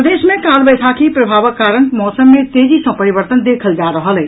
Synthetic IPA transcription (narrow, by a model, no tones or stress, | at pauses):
əd̪eːʃmẽkaːlbəːt̪ʰakipɾɐbʱaːʋəkːaːɾəñmɔːsəmːẽt̪eːd͡ʒisɐ̃pɐɾɪʋəɾt̪ənd̪eːkʰəld͡ʒaːɾɐɦəɦɛː